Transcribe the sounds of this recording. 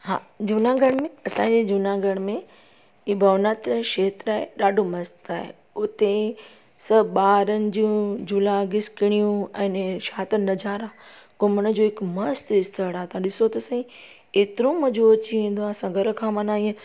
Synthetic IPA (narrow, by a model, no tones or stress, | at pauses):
ha̰ːd͡ʑuːnãɡʱɐɽ̃mẽɐsãːd͡ʑeːd͡ʑunãɡʱəɽ̃mẽ | iːbʱɐʋnaːt̪ɾʃeːt̪ɾaːɦeɗaːɖʱomɐst̪aːɦḛ | ʊt̪e | sɐɓaːɾənɪ̆d͡ʑũd͡ʑuːlãɡɪskɪɽ̃ijũɛ̃ːnʃaːt̪əɾnɐd͡ʑaːɾa | kʊməñə̆d͡ʑoːɦɪkmɐst̪ɪst̪ʰəɽaːɦt̪ʰãɗɪsot̪ɐsɐ̃ĩ | eːt̪ɪɾõmɐd͡ʑoːt͡ɕiʋẽːnd̪oaːsãɡʱɐɾkʰãːmɐnãiə̃